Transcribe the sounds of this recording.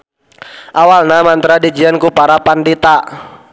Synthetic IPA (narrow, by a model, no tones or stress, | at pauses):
ʔawalnamant̪ɾadid͡ʒiankupaɾapandit̪a